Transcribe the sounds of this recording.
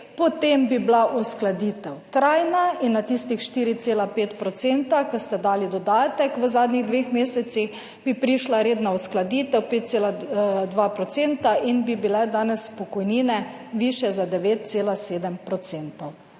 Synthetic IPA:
pɔt̪embiblaʔusklad̪iːt̪ɛwt̪ɾajnainːat̪ist̪ixʃt̪iɾit̪seːlapeːt̪pɾɔt̪seːnt̪akəst̪ɛd̪aːlid̪ɔd̪aːt̪ɛkʋəzaːd̪nʲiɣd̪ʋeːxmeːsɛt̪six | bipɾiʃlaɾeːd̪nausklad̪iːt̪ɛwpeːt̪̚seːlad̪ʋapɾɔt̪sent̪aʔinbibilɛd̪aːnɛspɔkɔjniːnɛʋiːʃjɛzad̪ɛʋeːt̪̚t̪seːlaseːd̪əmpɾɔt̪seːnt̪ɔw

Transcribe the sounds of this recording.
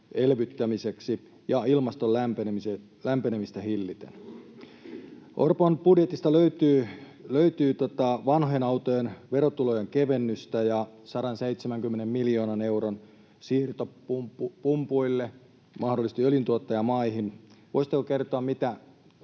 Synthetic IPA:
elʋyt̪ːæmiseksi | jɑilmɑst̪olæmpeneise | læmpenemist̪æhilːit̪ḛn | ʔo̰rponb̥udjet̪ist̪ɑløyt̪yː | løyt̪yːt̪ot̪ɑʋɑnhonɑwt̪ojenʋe̞ɾot̪ulojeŋkeʋe̞nːyst̪æjɑsɑɾɑnsejt̪semæŋkymːenemmiljo̞ːnɑne̞wɾon | siːrt̪oupumpuilːe | mɑhdolːˑist̪iøljint̪uot̪ːɑjɑmɑiɦinʋo̰isit̪ːekoke̞rt̪oɑmmit̪æ

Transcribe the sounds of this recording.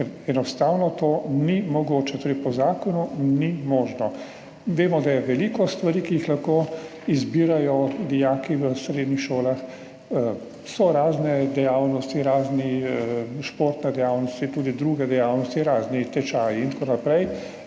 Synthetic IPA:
kɛɾɛnɔst̪aːwnɔt̪oːnimɔɡoːt͡ʃɛt̪oːɾɛɪpɔzaːkɔnunimoːʒnɔ | ʋeːmɔd̪ajɛʋɛlikɔst̪ʋaɾiːkijixlɐxkoː | izbiːɾajɔd̪ijaːkiʋəsɾed̪nixʃoːlax | sɔɾaːznɛd̪ɛjaːwnɔst̪iɾaːzni | ʃpoːɾt̪nɛd̪ɛjawnɔst̪it̪uːd̪id̪ɾuːɡɛd̪ɛjaːwnɔst̪iɾaːznit̪ɛt͡ʃaːjiint̪akoːnapɾɛj

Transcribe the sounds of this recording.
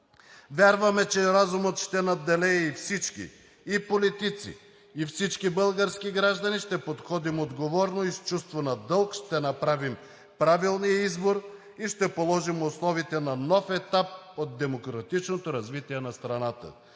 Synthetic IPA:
vʲjaɾvɐmɛt͡ʃɛɾazumət̪ʃt̪ɛnɐd̪ɛlɛɛifsit͡ʃkʲḭː | polit̪it̪sḭː | fsit͡ʃkibɤlˠɡəɾskiɡɾaʒd̪ɐniʃt̪ɛpot̪xɔd̪imod̪ɡovɔɾnoist͡ʃust̪vonɐd̪ɤlˠkʃt̪ɛnɐpɾavim | pɾavilˠnijəizboɾ | iʃt̪ɛpolˠɔʒimoslˠɔvit̪ɛnɐnɔfɛt̪ap̚od̪̚d̪ɛmokɾɐt̪it͡ʃnot̪oɾɐzvit̪iɛnɐst̪ɾɐnat̪ə̰

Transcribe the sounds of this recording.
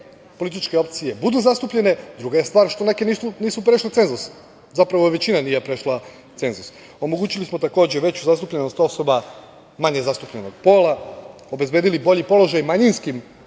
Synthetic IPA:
po̞lit̪it͡ʃkeo̞pt̪sije̞bud̪uzast̪upʎe̞ne̞d̪ɾuɡaje̞st̪ʋaːɾʃt̪o̞ne̞ke̞niːsuniːsupɾe̞ʃlet̪e̞nzus | zapɾaʋo̞ʋe̞t͡ɕinaniːjepɾe̞ʃlˠa | t̪se̞nzus | o̞mo̞ɡuːt͡ɕilismo̞t̪ako̞ːd͡ʑe̞ʋe̞t͡ɕuzast̪upʎeno̞st̪o̞so̞ba | maɲe̞zast̪upʎeno̞ɡ̥po̞ːla | o̞be̞zbe̞ːd̪ilibo̞ʎipo̞lo̞ʒajmaɲinskim

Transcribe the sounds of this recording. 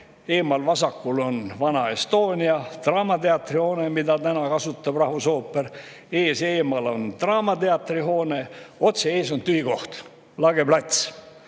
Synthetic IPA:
e̞ːmɑlvɑsɑkːulo̞nvɑnɑest̪o̞ːnʲiɑt̪rɑːmɑt̪e̞ɑt̪ːˑriho̞ːne̞mid̪ɑt̪ænɑkɑsut̪ːˑɑb̥rɑhvuso̞ːpːˑeɾ | e̞ːseːmɑlo̞nt̪rɑːmɑt̪e̞ɑt̪ːriɦo̞ːne̞o̞t̪seeːs̬o̞nt̪yjɡo̞ht̪ | lɑɡ̥e̞blɑt̪ʲs

